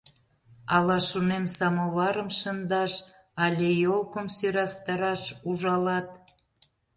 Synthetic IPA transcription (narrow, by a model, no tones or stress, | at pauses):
ɑlɑʃunemsɑmoβɑɾəmʃə̆nd̪ɑʃ | ɑlʲejolˠkəmsyɾɑst̪ɑɾɑʃuʒɑlɑt̪̚